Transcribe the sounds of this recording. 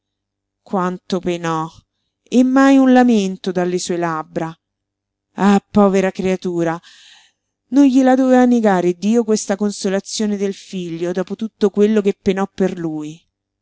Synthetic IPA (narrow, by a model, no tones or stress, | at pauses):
kwant̪openɔ | emːajunlament̪od̪alːesuːelabɾa | apːɔːveɾakɾeat̪uːɾa | nonʎilad̪ɔːvaneɡaːɾed̪iːokwest̪akonsolat̪sːjoːned̪elfiʎːod̪ɔːpot̪ut̪ːokwelːokepːenɔpːerluːj